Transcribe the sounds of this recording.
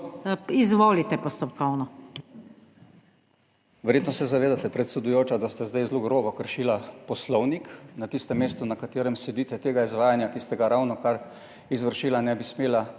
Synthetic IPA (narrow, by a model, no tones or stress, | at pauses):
izʋoːlit̪ɛpɔst̪ɔpkɔwnɔ | ʋɛɾjeːt̪nɔsɛzaʋeːd̪at̪ɛpɾɛt̪sɛd̪ujoːt͡ʃad̪ast̪azd̪ajzloɡɾoːbɔkəɾʃiːlapɔslɔwniknat̪ist̪ɛmːeːst̪unakat̪eːɾɛmsɛd̪iːt̪ɛt̪eːɡaizʋaːjanjakist̪ɛɡaɾawnɔkaɾ | izʋəɾʃiːlanɛbismeːla